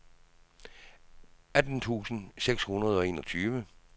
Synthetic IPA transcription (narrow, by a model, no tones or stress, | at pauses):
æd̥n̩t͡sʰṵːsn̩seɡ̥shunɐð̞ˠɒ̽e̝̰ːnɒ̽t͡sʰyːʋə